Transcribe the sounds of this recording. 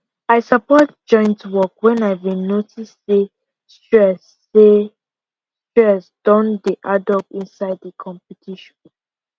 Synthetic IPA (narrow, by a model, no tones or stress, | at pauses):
aɪsapɔtd͡ʒɔ̃ɪ̃ntwɔkwɛ̃naɪvinotisse | stɛs | e | tɛsd̥ɔ̃ndiʔadɔpĩnsaɪddikʰɔ̃mpitʰiʃɔ̃n